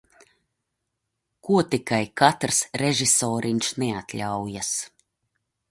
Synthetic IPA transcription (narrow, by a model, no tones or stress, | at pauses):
kuɔt̪ikajkat̪ɾsɾeʒisɔːɾʔiɲsnɛat̪ʲlʲawjas